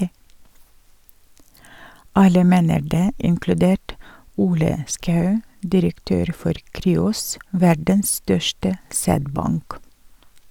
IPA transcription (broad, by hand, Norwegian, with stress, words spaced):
ˈɑlə ˈmeːnəɾ ˈdeː ɪŋklʉˈdeːʈ ˈuːlə ˈskɑʉ dɪɾəkˈtøːɾ ˈfɔɾ ˈkɾyːʊs ˈʋæɖəns ˈstœʃtə ˈsæːdˌbɑŋk